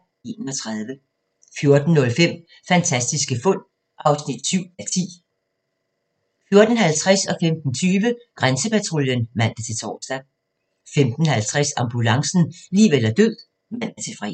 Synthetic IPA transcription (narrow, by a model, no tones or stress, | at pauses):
e̝ːnəɒt͡sʰʁað̞ˠʋə | fjo̝ɐd̥n̩ːɔ̽lfem̰ | fænt͡sʰæsd̥isɡ̥əfɔ̽n̰ | ʔɑ̈ʊsnid̥syʊ̰ælt͡sʰḭː | fjo̝ɐd̥n̩hælt͡sʰʁɛsɒ̽femd̥n̩t͡sʰyːʋəɡ̥ʁansəpæt͡sʰʁoljənʋæn̰d̥ət͡sʰe̝lt͡sʰɒ̰ːsd̥æ | femd̥n̩hælt͡sʰʁasɑ̈mb̥ulɑ̈ŋsn̩liːʋelɐd̥øð̰ˠ | mæn̰d̥ət͡sʰe̝lfʁɛ̰